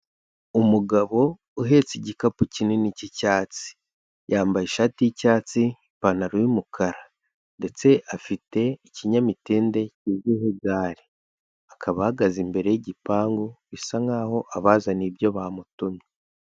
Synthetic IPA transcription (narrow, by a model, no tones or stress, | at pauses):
umuɡaβo̞ | uɦe̞ːt͡siɟikapucinenicicaːt͡si̥ | jaːmbajiʃaːtijicaːt͡si | panaɾujumukʰaɾa | nde̞t͡se̞ʔafite̞iciɲamiteːnde̞ciːziɦeɡaːɾi | akʰaβahaɡazimbe̞ɾe̞jeɟipaːŋɡoβisaŋaːho̞ʔaβaːzanibjo̞βamutumi